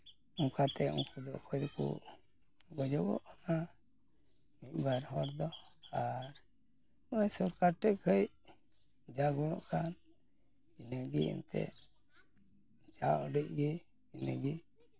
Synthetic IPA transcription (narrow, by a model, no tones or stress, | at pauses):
ũŋkat̪ɛṵ̃ŋkʰud̪ɔʔkʰɔjd̪kṵ | ɡɔd͡ʒɔbɔ̰ʔɔna | mic̚baɾɦɔɾd̪ɔaɾ | majsɔɾkaɾʈɛʔkʰəj | d͡ʒaɡulɔʔkʰan | inəɡḭḭnt̪ɛ̰ʔ | d͡ʒaʔɔɖiʔ̚ɡi | inəɡi